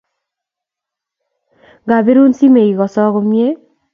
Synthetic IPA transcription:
ɡa˨be˦ɾu˦nsi˦me˨jɡɔsɔ˦ɣomie˦

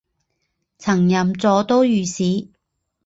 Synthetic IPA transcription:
t͡sʰɐ˨˩ŋjɐ˨mt͡sɔː˨˧˥t̪o˥wjyː˨siː˨˥

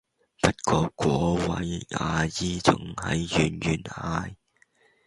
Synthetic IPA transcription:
pɐ˥t̚kʰɔː˧kʷwɔː˨˥wɐ˨˥jaː˨˧jiː˧t͡sʊ̰˨ŋhɐ̰˨jːyː˨˩njyː˨˩nhaː˧j

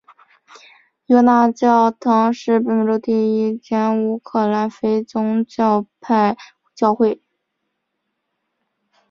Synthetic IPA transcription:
jɔ˧˥na˥˧t͡ɕjɑ˥˩ʊt̪ʰɑ˧˥ŋʂɻ̩˥˩pə˨˩˧ʈ͡ʂo˧˥ʊt̪i˥˩i˥˩t͡ɕjɛ˧˥nu˧˥kʰɤ˨˩la˧˥nfe˧˥ɪt͡sʊ˥ŋt͡ɕjɑ˥˧ʊpʰa˥˧ɪ | t͡ɕjɑ˥˧ʊxwe˥˩ɪ

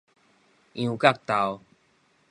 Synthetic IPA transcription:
ʔĩ˨u˨ka˦˨k̚t̪a˨w

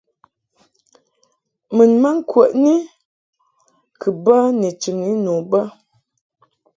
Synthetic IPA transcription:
mə˨nma˦ŋ̩˦kwə˨ʔni˦ | kʰɨ˨bə˦ne˨t͡ʃi˨ni˨˦no˨bə˦

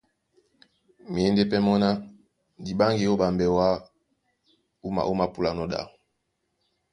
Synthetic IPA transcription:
m˨e˨˦nde˦pɛ˦mɔ˦na˦ | di˨ba˦ŋɡi˨o˦ba˨mbɛ˨wa˦ | u˦ma̰˨ʔu˦ma˦˨pu˦la˨nɔ˦da̰˨

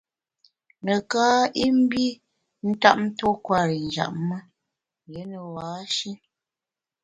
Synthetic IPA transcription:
nə˨kaː˦i˦m̩˦bi˦ | n̩˦ta̰˦˨ʔ̚n̩˦to˦kwa˦˨ɾi˨n˨d͡ʒa̰˦˨ʔmə˦ | je˨˦nə˨waː˨˦ʃi˦

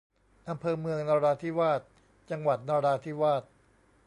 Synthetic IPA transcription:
ʔa˧mpʰɤː˧mɯ˧əŋnaː˧ɾaː˧t̪ʰi˥˩waː˥˩t̪̚ | t͡ɕa˧ŋwa˨˩t̪̚naː˧ɾaː˧t̪ʰiː˦˥˩waː˥˩t̪̚

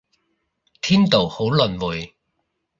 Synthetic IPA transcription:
t̪ʰiː˥nt̪o˨˩who˨˥wlɵ˨nwu˨˩j

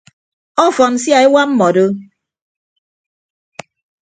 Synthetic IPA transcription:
ɔ˦fɔ˨n̩˦sja˦˨e˦wa˦m̩˦mɔ˨do˦

